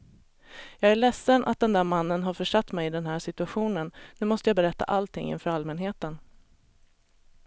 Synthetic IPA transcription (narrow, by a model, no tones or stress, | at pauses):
jɑːɡæɭɛsːənʔa̰t̪̚d̪ɛnd̪æːɾmanːənɦaɾfœʂat̪ːmɛjɪd̪ɛnɦæːʂɪt̪ɵaɧuːnənnʉ̟ːmɔst̪əjaːbɛɾɛt̪ːa̰ʔalt̪ʰɪ̰ŋːɪ̰nfœːɾalmɛnɦeːt̪ən